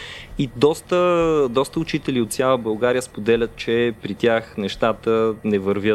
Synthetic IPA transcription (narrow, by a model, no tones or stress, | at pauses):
id̪ɔst̪əd̪ɔst̪əʊt͡ʃit̪ɛliot̪sjalˠəbɐlˠɡaɾijəspod̪ɛlʲət̪̚t͡ʃɛpɾit̪ʲjaxnɛʃt̪at̪ənɛvəɾvʲjə